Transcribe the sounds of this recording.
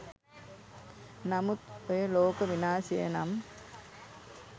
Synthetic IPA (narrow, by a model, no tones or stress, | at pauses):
nɐmut̪ojɐloːkɐʋinaːsijɐ̰nɐm